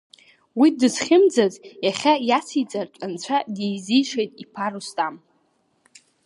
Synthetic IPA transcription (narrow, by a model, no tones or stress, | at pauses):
widɨzχʲɪmd͡zazjaχʲajasit͡sʼart͡ʃʷʼant͡ɕʷʰadejzijʂejtʼipʰarustʼam